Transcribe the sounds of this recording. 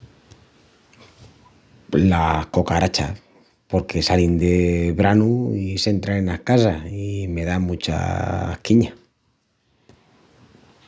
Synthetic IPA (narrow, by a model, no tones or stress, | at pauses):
lahko̞kaɾat͡ʃa̰ | po̞ɾke̞salind̪eβɾanuise̞nt̪ɾanenahkas̬aime̞ðamut͡ʃa̰kiɲa